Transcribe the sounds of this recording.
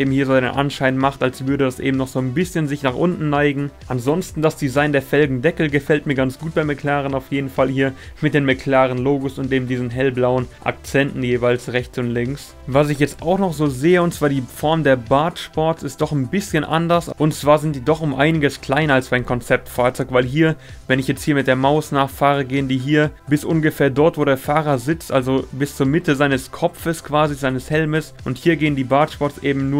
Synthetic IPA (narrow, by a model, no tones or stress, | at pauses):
ʔeːbm̩hiːɐzoːaɪnə̰nʔa̰nʃaɪnmaχtalsv̥ʏɐɾədasʔḛːbm̩nɔχz̥oːnbɪsçənzɪçnaːχʔʊntn̩naɪɡŋ̩ʔanzɔnstn̩dasd̥izaɪndeːɐfɛlɡŋ̩dɛkl̩ɡəfɛltmiːɐɡant͡sɡ̥uːt̚b̥aɪmɪkʰl̥aːʁənaʊfjeːdn̩falhiːɐmɪt̚d̥eːmɪkʰl̥aːʁənloːɡosʊntd̥eːbm̩diːzn̩ɦɛlblaʊənʔa̰k̚t͡sɛntn̩jeːvaɪlsʁɛçt͡sʊntlɪŋks | vas̬ɪçjɛt͡staʊxnɔχz̥oːzeːəʊntt͡sv̥aːɐdiːfɔɐmdeːɐbaɐtʃpɔɐtsɪstd̥ɔχnbɪsçənʔa̰ndɐsʔʊntt͡sv̥aːɐzɪnt̚d̥iːdɔχʊmʔaɪnɪɡəskl̥aɪnɐalsmaɪnkʰɔnt͡sɛp̚tfaːɐt͡sɔʏkv̥aɪlɦiːɐ | vɛnɪçjɛt͡sthiːɐmɪt̚d̥eːɐmaʊsnaːχfaːʁəɡeːəndiːɦiːɐb̥ɪsʔʊnɡəfeːɐdɔɐtv̥oːɾeːɐfaːʁɐzɪt͡stʔalzobɪst͡suːɐmɪtəzaɪnəskʰɔp͡fəskv̥aːzizaɪnəshɛlməsʔʊnthiːɐɡeːəndiːbaːtʃpɔɐsʔeːbm̩nuːɐ